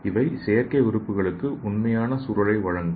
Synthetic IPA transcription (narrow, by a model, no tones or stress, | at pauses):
ɪʋɐɪsɛjɐɾkɐɪʋɪɾɯpːɯɣɐɭɯkːɯʔʊnmɐjaːnɐsʊɾɐɭɐɪʋɐɻɐŋɡɯ